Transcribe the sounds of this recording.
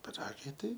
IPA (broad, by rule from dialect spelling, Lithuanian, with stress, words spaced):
pʲɪˈrɑːɡɐɪ ˈtɐɪ